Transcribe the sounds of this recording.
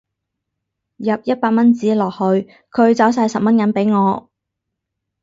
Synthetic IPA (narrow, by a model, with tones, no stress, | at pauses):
jɐ˨p̚jɐ˥t̚paː˧t̚mɐ˥nt͡siː˨˥lɔː˨˩k̚hɵ˧ɥ | kʰɵ˨˧ɥt͡sɐ˨˥ws̬aː˧jsɐ˨p̚mɐ˥nkɐ˨˥npe˨˥jŋɔː˨˧